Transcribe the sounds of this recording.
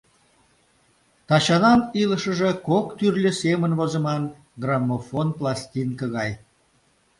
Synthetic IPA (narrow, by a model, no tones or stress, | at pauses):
t̪ɑt͡ɕɑnɑniləʃə̆ʒekokt̪yrlʲəsemənvozə̆mɑn | ɡrɑmːofonplˠɑsʲtʲinkəɣɑj